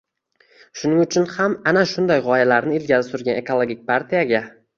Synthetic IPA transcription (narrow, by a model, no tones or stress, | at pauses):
ʃʊnɪŋʊt͡ʃʰʊnhamanaʃʊnd̪ajʁɒjalaɾnɪɪlɡʲazɪsʊɾɡʲane̞kʰolˠoɡʲik̚ʲpʰaɾt̪ʰijaɡʲa